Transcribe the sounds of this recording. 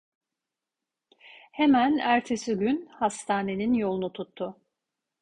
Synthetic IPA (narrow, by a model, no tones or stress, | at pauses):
he̞mænæɾt̪ʰesiɟynhast̪ʰaːne̞ninjo̞lˠunut̪ʰut̪ʰːʊ